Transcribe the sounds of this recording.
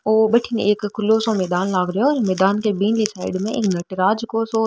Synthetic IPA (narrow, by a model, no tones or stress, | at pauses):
oːbɐʈʰineːkʰːʊlːosomɛːd̪aːnlaːɡɾɦeɔːɾmɛːd̪aːnkebiːnlisaːɪɖmẽḛːknɐʈɾaːd͡ʒkoso